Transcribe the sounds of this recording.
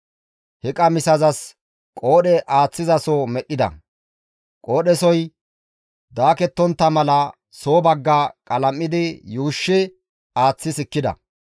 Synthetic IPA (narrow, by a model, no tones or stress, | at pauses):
hɛkʼɐmɪsɐzɐs | kʼo̞ːɗɛʔaːt͡sːɪzɐsomɛɗɪd̪ɐ̰ | kʼoːɗɛsɔj | d̪aːkɛt̪ːɔnt̪ːɐmɐlɐ | so̞ːbɐɡːakʼɐlɐmːɪd̪ɪjuːʃːɪ | aːt͡sːɪsɪkːɪd̪ɐ̰